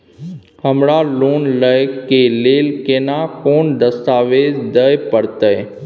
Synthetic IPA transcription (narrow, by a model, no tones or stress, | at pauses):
həmɽaloːnləjkeleːlkeːnakoːnd̪əst̪aːʋeːd͡ʒd̪əjpəɾt̪əj